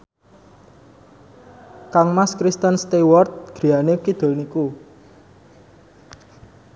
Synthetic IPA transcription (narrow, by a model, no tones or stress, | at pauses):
kaŋmaskɾist̪ənst̪ewɔrt̪̚ɡ̥ɾi̤anekid̪̥o̤lniku